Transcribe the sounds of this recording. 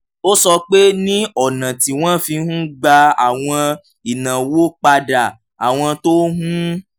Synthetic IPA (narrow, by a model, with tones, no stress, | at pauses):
o˦sɔ˧k͡pe˦nĩ˦ɔ˨nã˨ti˨w̃ɔ̃˦fĩ˧˦hũ˦ɡ͡ba˧a̰˨w̃ɔ̃˧ | i˨nã˨wo˦k͡pa˧da˨ | a˨w̃ɔ̃˧to˦ɦũ˦